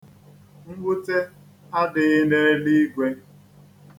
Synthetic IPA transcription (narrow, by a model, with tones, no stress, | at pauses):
ŋ̩˦ɡ͡bʷʊ˦te˦ | a˦dɪ˨ɣɪ˦ne˦li˦ɡʷe˦